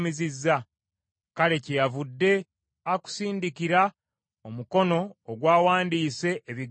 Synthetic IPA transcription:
mizizːa | kale̞cejavudːe̞ | aku̥siːndikiɾa | omuko̞no̞ːɡwaːwaːndiːse̞ʔːβi

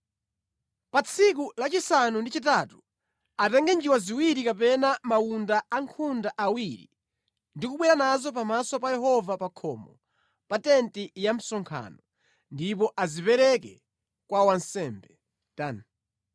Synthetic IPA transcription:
pat͡sʰik̬ulat͡ʃisanundit͡ʃitatu̥ | atɛŋɡɛnd͡ʒiwaziwiɾikapɛnamaundaːŋkʰundaʔawiɾḭ | ndikuɓwɛɾanazɔp̬amasɔpajɛɦɔvapakʰɔ̰mɔ | patɛntijam̩sɔŋkʰa̰nɔ | ndip̬ɔʔazipɛɾɛk̬ɛ | kwawansɛːmbɛ | tan

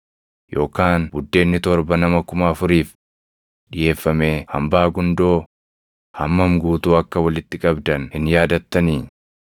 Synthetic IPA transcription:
jʔo̞ːkaːnbʊd̪ːe̞ːnːɪt̪ɔɾbɐnɐmɐkʊmɐːfʊɾiːf | ɗɪje̞ːfːɐmeːhɐmbaːɡʊnd̪o̞ː | hɐmːɐmɡuːt̪uːɐkːɐwɐlɪt̪ːɪkʼɐbd̪ɐnhɪnjaːd̪ɐt̪ːɐniː

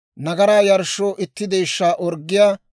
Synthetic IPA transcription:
nɐɡɐɾaːjɐɾʃoːʔɪt̪ːɪd̪ɛjʃːaːʔɔɾɡːɪjaː

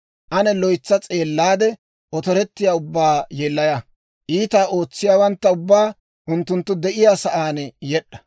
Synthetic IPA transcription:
ʔɐnɛlɔjt͡sːɐt͡sʼe̞ːlːaːd̪ɛ | ʔɔt̪ɔɾɛt̪ːɪjaːʊbːaːjeːlːɐja | ʔiːt̪aːʔo̞ːt͡sːɪjaːwɐnt̪ːɐʊbːaː | ʔʊnt̪ːʊnt̪ːʊd̪ɛʔɪjaːsɐʔaːnɛjɛɗːɐ̥

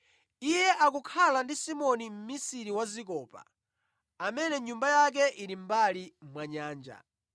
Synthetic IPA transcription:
ijɛʔak̬ukʰalandisimɔnim̩misiɾiwazikɔːpa̰ | amɛnɛɲumbajak̬ɛʔiɾim̩balimwaɲaːnd͡ʒa̰

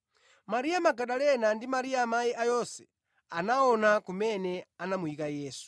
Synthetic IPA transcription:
maɾiamaɡaɗalɛnandimaɾiamajiʔajɔsɛ̰ | anaɔnakumɛnɛanamuikajɛːsu̥

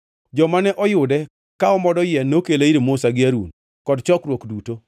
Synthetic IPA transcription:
d͡ʒɔmanɛʔɔjʊdɛ | kaɔmɔdɔjɛnːokeleiɾimʊsaɡɪaɾṵn | kɔdt͡ʃɔkɾwokduto

